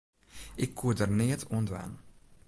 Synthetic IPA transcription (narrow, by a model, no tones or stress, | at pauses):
ɪkʰːudərneːtʰondʋɛ̰n